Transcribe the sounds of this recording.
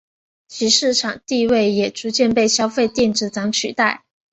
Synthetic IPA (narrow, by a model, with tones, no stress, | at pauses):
t͡ɕʰi˧˥ʂɻ̩˥˩ʈ͡ʂʰɑ˨˩ŋt̪i˥˧we˥˩ɪjɛ˨˩ʈ͡ʂu˧˥t͡ɕjɛ˥˧npe˥˩ɪɕjɑ˥ʊfe˥˧ɪt̪jɛ˥˧nʈ͡ʂɻ̩˥˩t͡sɑ˧˥ŋt͡ɕʰy̰˨˩t̪a˥˩ɪ